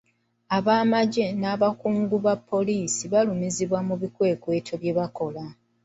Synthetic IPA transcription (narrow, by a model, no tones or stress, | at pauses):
aβaːmaɟe̞naːβakuːŋɡuβapːo̞liːsiβalumiziβwamuβikwe̞ːkwe̞ːtʰo̞βje̞βako̞la